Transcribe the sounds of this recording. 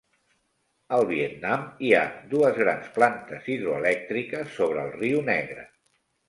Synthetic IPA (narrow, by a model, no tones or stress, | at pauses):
əlˠβ̞iet̪namiad̪uəzɣɾansplant̪əziðɾuəlɛk̚t̪ɾikəsːoβ̞ɾəːlˠriunɛɣɾə̰